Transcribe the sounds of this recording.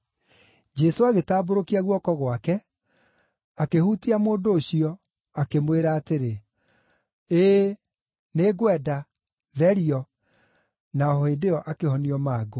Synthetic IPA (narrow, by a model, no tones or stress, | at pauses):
d͡ʒɛsoaɣetaːboɾokiaɣwɔkɔɣwakɛ | akehutiamoːndoːɕiɔ | akemweɾaːteɾe | eː | neːɡwɛda | ðɛɾiɔ | naɔɔedeɔʔakehɔniɔmaːɡo